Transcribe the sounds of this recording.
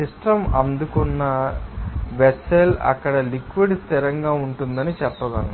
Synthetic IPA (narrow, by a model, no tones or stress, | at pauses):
iʂʈɐmɐnd̪ukunːɐ | ʋeʈselɐ̰kːɐɽɐlikʋiɖst̪iɾɐŋɡaːuɳʈund̪ɐnit͡ʃɛpːɐʋɐlː